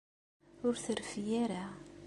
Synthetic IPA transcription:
ʊɾθəɾfijæɾa

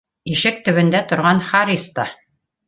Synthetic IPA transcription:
iʃɘk̚t̪ɵ̆βɘ̆nd̪æt̪ŏɾʁɑnχaɾʲist̪ɑ

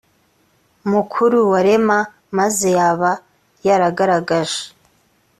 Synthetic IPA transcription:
mukʰuɾuwaɾe̞ma | maze̞jaβa | jaɾaɡaɾaɡaʒe̥

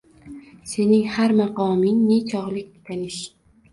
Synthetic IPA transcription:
se̞nɪŋhaɾmɑqɒmɪŋne̞t͡ʃʰɒʁlˠɪk̪̚ʲɪ̥t̪ʰanɪʃ

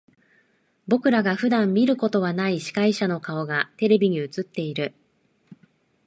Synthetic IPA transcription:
bo̞kɯ̟ɾaɡaɸɯ̟d̪ãmːʲiɾɯ̟ko̞t̪o̞β̞anaiɕi̥kaiɕano̞kao̞ɡat̪e̞ɾe̞bʲiɲ̟iɯ̟t͡sɨt̪ːe̞iɾɯ̟

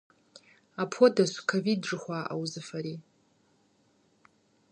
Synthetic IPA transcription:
apʰodasʷkʰovid̚ʐɨχʷaːʔa̰wzɨfaɾi

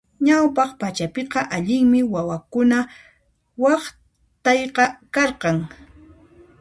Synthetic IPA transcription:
ɲawpɑχpat͡ʃapɪqɑʔaʎɪŋmɪwawakʊna | wɑχ | t̪ɑjqɑkɑɾqɑŋ

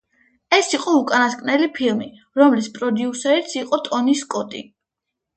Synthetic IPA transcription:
ɛsiqʼɔukʼanaskʼnɛlipʰilˠmi | ɾɔmlispʼɾɔd̪iusɛɾit̪sʰiqʼɔt̪ʼɔniskʼɔt̪ʼḭ

